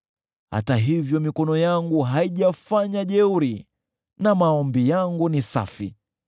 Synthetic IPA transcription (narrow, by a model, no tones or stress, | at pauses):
ha̰taɦivjɔmikɔnɔjaŋɡuɦaiʄafaɲaʄɛuɾi | namaɔmbijaŋɡunisa̰fḭ